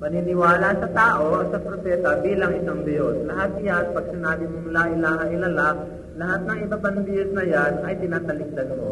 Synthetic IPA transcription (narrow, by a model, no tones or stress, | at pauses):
pɐnɪnɪwaːlasɐt̪aːʔo̞sɐpɾopɛːt̪ɐbiːlɐŋʔɪsaŋbɛjoslɐɦat̪̚janpɐɡ̚sɪnaːbɪmoŋlaʔɪlaːhɐʔɪlala | lɐɦat̪̚nɐŋɪbɐpɐŋbɪɛsnɐjanʔɐjt̪ɪnaːt̪ɐlɪk̚d̪ɐnmo